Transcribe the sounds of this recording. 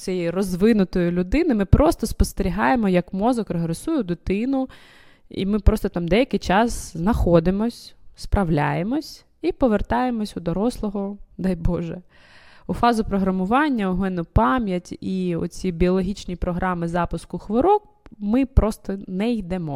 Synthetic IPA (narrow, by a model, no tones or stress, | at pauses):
sʲɛjirɔzʋɪnʊt̪ɔjʊlʲʊd̪ɪnɪmɪpɾʔɔst̪ɔspɔst̪eɾʲiɦɑjemɔjɐkmɔzɔkɾɔɦɾesujɛd̪ʊt̪ɪnʊ | ḭmɪpɾɔst̪ɔt̪ɑmd̪ɛjɐkɪjt͡ʃɑsznɐxɔd̪ɪmɔsʲspɾɐʋlʲajemɔsʲ | ipɔʋert̪ɑjemɔsʲʊd̪ɔɾɔslˠɔɦɔd̪ɑjbɔʒɛ | ʊfɑzʊpɾɔɦɾɐmʊʋɑnʲːɐʊɦmɛnʊpɑmʲjɐtʲiɔ̰t͡sʲibʲiɔlˠɔɦʲit͡ʃnʲipɾɔɦɾʔɑmɪzɑpʊskʊxʋɔɾɔk̚ | mɪpɾɔst̪ɔnɛijd̪ɛmɔ